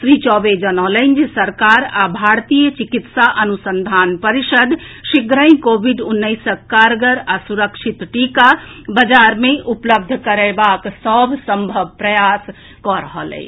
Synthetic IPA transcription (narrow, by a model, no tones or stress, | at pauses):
sɾit͡ʃɔbed͡ʒənɔlənd͡ʒesəɾkaɾabʱaɾt̪ijət͡ʃikit̪saʔənusənd̪ʱanpəɾisəd̪ʱʃiɡɾə̃j̃kobʱiɖunːəjsəkːaɾɡəɾasuɾəkʃʰit̪ʈikabəd͡ʒaɾmeʔupləb̚d̪ʱkəɾɛbaksəbʱsəmbʱəbʱpɾəjas | kɔɾəɦəlɛ̰ɪ